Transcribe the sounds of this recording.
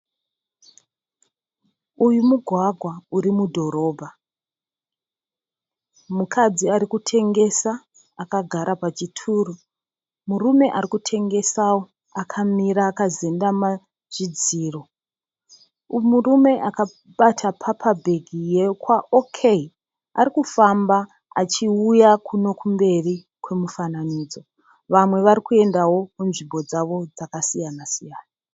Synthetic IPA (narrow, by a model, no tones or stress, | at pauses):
ujumuɡʱwaɡʱwauɾimudʱo̞ɾo̞ːbʱa | mukʰad͡ziaɾikutʰe̞ŋɡe̞saː | kaɡʱaɾapat͡ʃitʰuːru | murume̞ʔaɾikutʰe̞ŋɡe̞sawo̞ | akʰamiɾaːkazendama | ʐ̥id͡ziːro̞ | murume̞ʔaka | ɓatʰapʰapʰabʱe̞ɡʱijekwaʔokʰei | aɾikufamba | at͡ʃiujakʰuno̞kʰumbe̞ri | kwe̞mufananiːd͡zo̞ | ʋamwe̞ʋaɾikue̞ndawo̞kunʐimbo̞d͡zaʋo̞d͡zakasijanasijaːna